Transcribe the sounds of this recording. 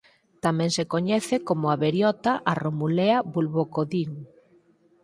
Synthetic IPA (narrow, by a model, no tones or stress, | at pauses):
t̪amɛ̃ŋsekoɲɛθekomʊaβeɾjɔt̪aʔaromuleabulβokoðiŋ